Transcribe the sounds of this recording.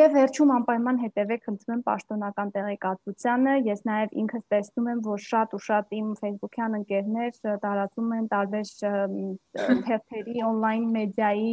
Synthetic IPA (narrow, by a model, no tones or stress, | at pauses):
jɛvːɛɾt͡ʃʰumɑmpɑjmɑnɦɛt̪ɛvɛkʰχənt̪ʰɾumɛmpɑ̰ʃt̪ɔnɑkɑnt̪ɛʁɛkɑt̪vut͡sʰjɑnəjɛsnɑjɛvḭŋkʰəst̪ɛsʰnumɛmvɔɾʃɑt̪uʃɑt̪imfɛjsbukʰjɑnəŋkɛɾnɛɾt̪ɑɾɑt͡sumɛnt̪ɑɾbɛɾ | t̪ʰɛʁt̪ʰɛɾiɔnlɑjnmɛd̪jɑji